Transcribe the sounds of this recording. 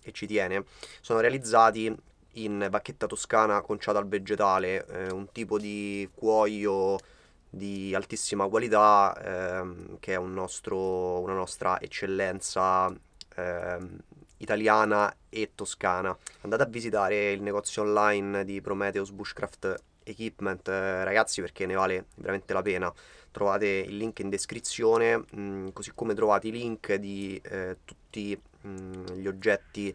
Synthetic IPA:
et͡ʃːit̪jɛːnesoːnoɾealid̪zːaːt̪iː | nbakːet̪ːat̪oskaːnakont͡ʃaːt̪alved͡ʒet̪aːleunt̪iːpod̪ikwɔːjo | d̪ialt̪isːimakwalit̪a | keɛunːɔst̪ɾounanɔst̪ɾʔa̰ʔḛt͡ʃːelːɛnt̪sa | it̪aljaːnaet̪ːoskaːnaand̪aːt̪eavːizit̪aːɾeilneɡɔt̪sːjoːnlajnd̪ipɾomɛːt̪eozbuʃkɾʔa̰ft̪ | ekwipment̪ɾaɡat̪sːiperk̟enːevaːlevḛɾament̪elapeːnat̪ɾovaːt̪eḭlːiŋkind̪eskɾit̪sːjoːnekozikːomet̪ɾovaːt̪eiliŋkd̪it̪ut̪ːi | ʎiod͡ʒːɛt̪ːi

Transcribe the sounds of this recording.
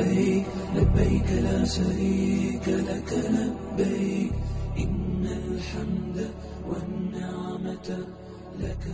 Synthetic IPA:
labːajkalaːʃaɾiːkalakalabːa | ʔɪnːalħamd̪a | wanːaʕmat̪ | laka

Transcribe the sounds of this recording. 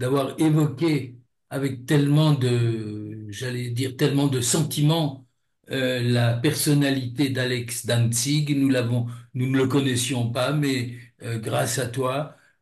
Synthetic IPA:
d̪̥avwaʁevɔkʲe | avɛk̚t̪ɛlmɑ̃d̪ə | ʒalɛd̪iʁt̪ɛlmɑ̃d̪əsɑ̃t̪imɑ̃ | ølapɛʁsɔnalit̪ed̪alɛksd̪ãnsiɡnulavɔ̃nunələkɔnɛsjɔ̃pamɛøɡʁasat̪wa

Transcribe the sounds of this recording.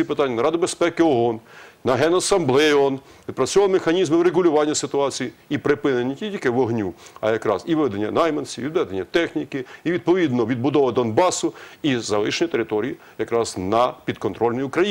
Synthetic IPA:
ipɪt̪ɑnʲːɐnɐɾɑd̪ɪbespɛkɪɔɔnnɐɦɛnɐsɐmblˠɛɔn | ʋʲid̪̚pɾɐt͡sʲɔmexɐnʲizmɪwɾeɡʊlʲʊʋɑnʲːɐsɪt̪ʊɑt͡sʲijiipɾɪpɪnenʲːetʲilʲkɪʋɔɦnʲuɐ̰jɐkɾɑ̰ziʋɪʋɛd̪enʲːɐ̰nɑjmɐnsʲiʋid̪ʋɛd̪enʲːɐt̪ɛxnʲikɪiʋʲid̪̚pɔʋʲid̪nɔʋʲid̪̚bʊd̪ɔʋɐd̪ɔnbɑsʊizɐlˠɪʃenʲɐt̪eɾɪt̪ɔɾʲii | jɐkɾɑznɐpʲid̪kɔnt̪ɾɔlʲnɔjʊukɾɐji

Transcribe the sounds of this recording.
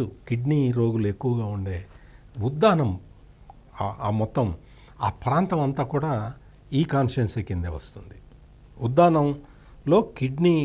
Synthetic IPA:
ukiɖniɾo̞ːɡulue̞kːuʋɐɡaːuɳɖeː | ud̪ːaːnɐm | aːmɔt̪ːɐm | aːpɾaːnt̪ɐmɐnt̪aːkuːɽaː | iːkaːnʂensekːind̪eʋɐ̰st̪und̪i | ud̪ːaːnɐm | lo̞ːkiɖni

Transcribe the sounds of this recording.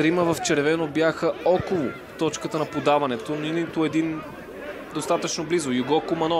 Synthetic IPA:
ɾiməvɐft͡ʃɛɾvɛnobjaxəɔkolˠo | t̪ɔt͡ʃkət̪ənɐpod̪avɐnɛt̪oninit̪oɛd̪in | d̪ost̪at̪ət͡ʃnoblizojuɡɔkomɐnɔ

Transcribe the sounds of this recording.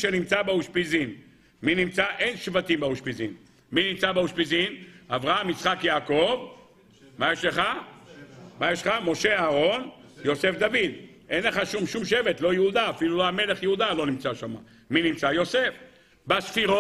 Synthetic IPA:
ʃenimt͡sabeuʃpizin | minimt͡saʔe̞nʃvat̪imbauʃpizin | minimt͡sabeuʃpizinavʁaamit͡sχakjaːko̞v | majeʃleχa | majeʃχamo̞ʃe̞aːʁo̞n | jo̞se̞fd̪avid̪ | ʔe̞nleχaʃumʃumʃe̞vet̪lo̞jehud̪aːfiluloame̞leχjeud̪alo̞nimt͡saʃama̰ | minimt͡sajo̞se̞f | basfiʁo

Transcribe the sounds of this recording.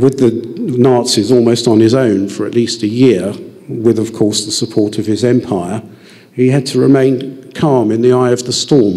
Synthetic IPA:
wɪðɨnɑˑtsizɔlˠməʊstn̩ɪzõʊ̃nfə˞ɨ̰ʔlistɨjɪəwɪðʌv̥kʰɔɹsðəsəpʰɔɹɾʰʌv̥ɪzɛ̃mpʰaɪə˞ | iɨd̚tʰəɹɪmẽɪ̃nkʰɑɹmɨ̃nðiaɪʌvðəstɔɹm

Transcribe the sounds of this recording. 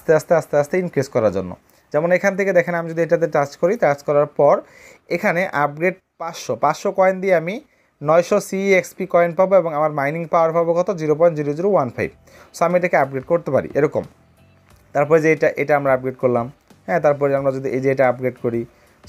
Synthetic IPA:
ast̪east̪east̪east̪einkɾiskɔɾaɾd͡ʑo̰nːo̰ | d͡ʑɛmonekʰant̪ʰeked̪ɛkʰenamid͡ʑod̪ieʈad̪eʈaskoɾit̪askɔɾaɾpɔɾ | ekʰaneʔap̚ɡɾeɖ̚ | paʃopat͡ɕʃokɔend̪ieami | nɔjʃɔsiekspikɔenpaboeboŋamaɾmajniŋpaoaɾbʱaboɡɔt̪od͡ʑiɾop̬ɔend͡ʑiɾod͡ʑuɾowanpʰa̰jb | soamieʈakeap̚ɡɾeɖ̚koɾt̪epa̰ɾḭʔeɾɔkom | t̪aɾpɔɾed͡ʑeeʈaʔeʈaamɾaap̚ɡɾeɖkoɾlam | ɦɛ̃t̪aɾp̬ɔɾeamɾad͡ʑod̪ʱiʔed͡ʑeeʈaap̚ɡɾeɖkoɾi

